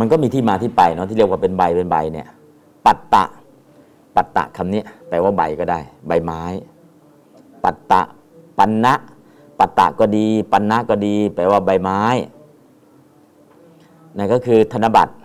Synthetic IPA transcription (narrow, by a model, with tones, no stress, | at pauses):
ma˧nkɔː˥˩miː˧t̪ʰiː˥˩maː˧t̪ʰiː˥˩pa˧jnɔ˦˥t̪iː˥˩˧i˥˩əkwaː˥˩pe˧nba˧jpe˧nba̰˧jni˦˥˩ɐ | pa˨˩t̪ːa̰˨˩ʔ | pa˨˩t̪ːa̰˨ʔkʰa˧mni˦˥˩ɐpɛː˧waː˥˩ba̰˧jkɔː˥˩daː˥˩jba˧jmaː˦˥j | pa˨˩t̪ːa̰˨˩ʔ | pa˧nːa˦˥ʔ | pa˨˩t̪ːa̰˨˩ʔkɔː˥˩diː˧pa˧nːa˦˥ʔkɔː˥˩diː˧pɛː˧waː˥˩ba˧jmaː˦˥j | na˧˩kɔː˥˩kʰɯː˧t̪ʰa˧nːa˧˥ba̰˨˩t̪̚